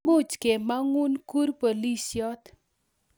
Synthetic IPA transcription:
u˦t͡ʃke˨ma˦ŋu˦nku˦rpo˨li˦sjɔ˦t̪

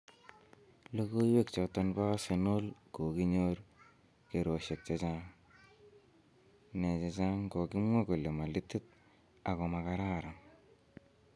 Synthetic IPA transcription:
lo˦ko˦i˦we˦k̚t͡ʃɔ˨tɔ˧npa˦se˨no˦lko˨ki˦ɲo˦ɾ | ke˨ɾo˨ʃe˨k̚t͡ʃa˨t͡ʃa˦ŋ | ne˨t͡ʃa˨t͡ʃa˦ŋko˨ki˦mwe˦ko˨le˨ma˨li˦tːi˦t̪̚ | a˨kɔ˨ma˨ka˦ɾa˦ɾa˨ŋ

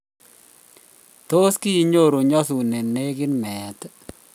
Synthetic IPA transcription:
to˦ski˦i˨ɲo˦˨ɾo˨ɲɔ˦su˨ne˨ne˦kɪ˦nmɛ˨t

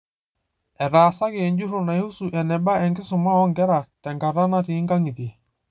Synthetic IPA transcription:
ɛ˨ɾaː˨sa˦ɣeː˨ɲd͡ʒu˦ɾʊ˨na˨e˦u˦su˨ʔɛ˨nɛ˨ba˦ɛ˨ŋɡɪ˦sʊ˨ma˦ɔ˦ŋɡɛ˦ɾa˨tɛ˨ŋɡa˨ɾa˦na˦ti˨˦ŋɡa˦ŋɪ˨ti˨

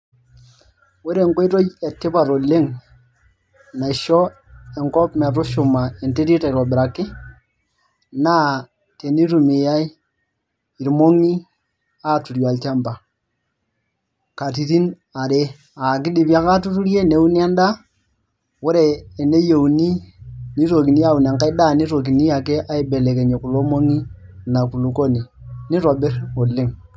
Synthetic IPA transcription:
wo˦ɾe˨ŋko˦i˦to˦jɛ˨tːɪ˦pa˨ɾo˨le˦ŋ | na˨i˨ʃɔ˦ | ɛ˨ŋkɔ˦pmɛ˨tu˦ʃu˨ma˨e˨nte˦ɾi˦ta˨ɾɔ˨bɪ˨ɾa˨kɪ˦ | na˦ | te˨ni˦tu˨mi˨ja˦i˦ | i˨ɾmo˦ŋi˦ | a˦tu˨ɾjɔ˨a˨lt͡ʃa˦mba˨ | ka˨ti˨ti˦n | a˨ɾe˦ | a˨ki˦di˨pi˦a˦ka˦tu˦tu˦ɾe˦ne˨˦wu˦ni˦a˦nda˦ | wo˦ɾeː˨ne˦je˨wu˨ni˦ni˦ɾo˨ki˨ni˦a˦˨u˨n˨a˨ka˦i˦da˦˨ni˦ɾo˨k̬i˨ni˦ja˨ke˦ʔa˦i˦be˨le˨ke˨ɲe˨ku˨lo˦mo˦ŋi˦˨ | na˨ku˨lu˨ko˦ni˨ | ni˦ɾo˨be˦ɾo˨le˦ŋ

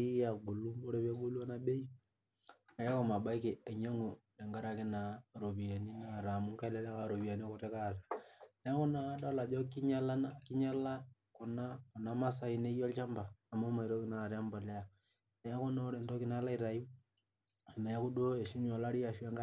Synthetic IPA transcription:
i˦ja˨ɡo˨lu˦mbo˦ɾe˦pa˦ɡo˦lu˦a˦na˦ɓe˦i˦ | a˨ja˦ko˨ma˨ɓa˦i˦ke˨e˨ɲa˦ŋo˨le˨ŋɡa˦ɾa˨ke˦na˨ɾo˨βi˨a˨ni˦na˦˨ɾa˨mu˦ŋka˦˨lɛ˦lɛ˦ka˨ɾo˨βi˨a˨ni˦a˦ko˦te˦ka˦˨ɾa˨nɛ˨˦a˦kɔ˦na˦da˦la˨d͡ʒɔ˦ki˦ɲa˦la˦naki˦ɲa˦la˦ | ko˨na˦ko˨na˨ma˦s̬a˦i˨ne˦jɔ˦lt͡ʃa˦mbaː˨mo˦ma˨i˨ɾo˦ki˦na˦˨ɾa˦mba˨le˦a˨ | ne˨ja˦ko˦na˦ɾe˨nto˦ki˨na˦la˦i˨ɾa˨ji˦ | a˨na˨ja˦ku˦do˦e˨ʃi˦n˦ɔ˨la˦ɾi˦a˨ʃwe˦ŋɡa˦

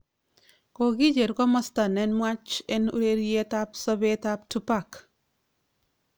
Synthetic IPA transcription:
ko˨ɡi˦d͡ʒe˨ɾkɔ˦mɔ˦sta˨nɛnmwat͡ʃɛnṵ˦ɾe˦ɾjetapsɔ˦betap̚tu˦pak

